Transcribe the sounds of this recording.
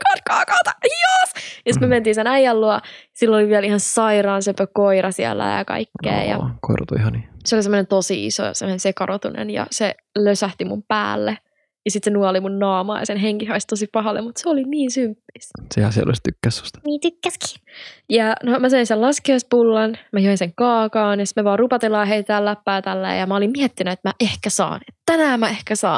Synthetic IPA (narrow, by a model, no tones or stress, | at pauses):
kɑt̪kɑːkɑːt̪ɑjosjɑsit̪myøment̪iːnsenæjːælluɑjsilːoliʋiælihɑnsɑiɾɑːnsøpøkoiɾɑsiæ̰lːæ̰jɑ̰kɑ̰ikːḛːjɑ̰ko̰irɑ̰t̪ṵihɑniseolisemːonent̪osiḭso̰semːonensekɑrot̪unḛnjɑ̰se | løsæht̪imṵmpæ̰ːlːe | jɑsit̪senuɑlimunnɑːmɑ̰ːjɑsenɦeŋkihɑist̪osipɑɦɑlḛmmut̪seoliniːnsympːissehæsiḛlʔo̰list̪ykːæsːy̥st̪niːt̪ykːæski̥ːjɑnomæseinselɑskoispulːɑnmæjoĩnseŋkɑːkɑːnjɑsi̥t̪meʋɑːrrupɑt̪elːɑːɦeit̪æːlːæpːæːt̪ælːḛːjɑmæolimmiɛt̪ːinæet̪mæʔehkæsɑ̰ːnet̪t̪ænæːmæehkæsɑ̰ːn